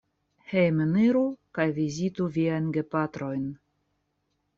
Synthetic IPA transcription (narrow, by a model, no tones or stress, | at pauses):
hejmeniɾukajvizit̪uvʲiajnɡepat̪ɾojn